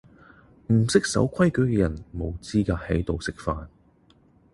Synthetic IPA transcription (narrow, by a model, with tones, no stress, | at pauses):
m̩˨˩sɪ˥k̚sɐ̰˨˥wkʰɐ˥jkɵ˨˥ɥkɛː˧jɐ˨˩nmo˨˩wt͡siː˥kaː˧hɐ˨˥jt̪o˨wsɪ˨k̚faː˧n